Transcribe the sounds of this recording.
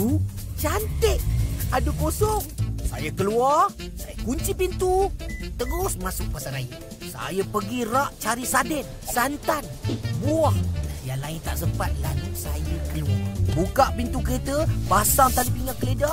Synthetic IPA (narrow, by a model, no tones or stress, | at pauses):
ut͡ʃant̪ɪʔadukosɔŋsa̰jəkəluarsajəkuɲt͡ʃipint̪ut̪əɡʊsmasʊk̚pasanai | sa̰jəpəɡiraʔt͡ʃaɾisadɪn̚ | sant̪anbuahjalaɪnt̪aʔsəmpat̪̚laɲɪt̪sajəkəluabukaʔpint̪ukəɾet̪əbasant̪adipiŋakəleda